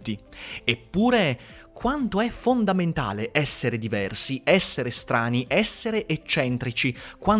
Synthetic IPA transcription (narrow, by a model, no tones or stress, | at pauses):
t̪ːiepːuːɾe | kwant̪oɛfond̪ament̪a̰ːleʔɛsːeɾed̪ivɛrsiɛsːeɾest̪ɾaːniʔɛsːeɾeʔet͡ʃːɛnt̪ɾit͡ʃikwan